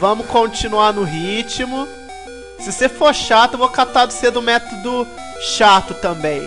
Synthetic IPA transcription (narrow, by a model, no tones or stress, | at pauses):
vɐ̃mʊkõt͡ʃinuanʊɦit͡ʃimʊ | sɪsefoɾʃat̪ʊevokat̪ad̪ʊsed̪ʊmɛt̪od̪ʊ | ʃat̪ʊt̪ɐ̃bẽj̃